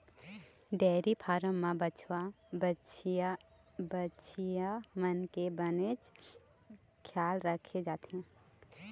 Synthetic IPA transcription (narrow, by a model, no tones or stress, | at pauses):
ɖɛːɾipʰaːɾə̃mːãbət͡ʃʰwa | bət͡ʃʰ | bət͡ʃʰijamənkebəned͡ʒ | kʰjaːlɾəkʰed͡ʒaːt̪eɦɛ̃ː